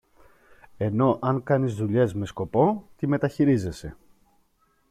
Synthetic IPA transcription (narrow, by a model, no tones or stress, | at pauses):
e̞no̞ʔɐŋkɐnizðuʎe̞zme̞sko̞po̞t̪ime̞t̪ɐçiɾize̞se̞